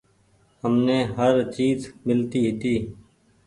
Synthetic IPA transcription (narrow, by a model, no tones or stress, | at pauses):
həmneːɦəɾt͡ʃiːzmɪlt̪iːɦɪt̪iː